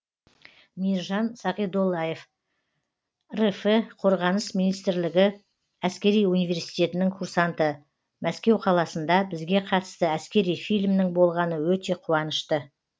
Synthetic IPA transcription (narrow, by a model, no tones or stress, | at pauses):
mijɾʒɑnsɑqid̪olˠːɑje̞f | refeqʰo̞ɾʁɑnəsminijst̪ɾlɪɡʲɪ | æskʲe̞ɾijunijve̞ɾsijt̪e̞t̪ɪnɪŋkʰuɾsant̪ə | mæskʲe̞wqʰɑlˠɑsənd̪ɑbɪzɡʲe̞qʰɑt̪əst̪əæskʲe̞ɾijfijlʲmnɪŋbo̞lˠʁɑnəwɵt̪e̞qʰuwɑnəʃt̪ə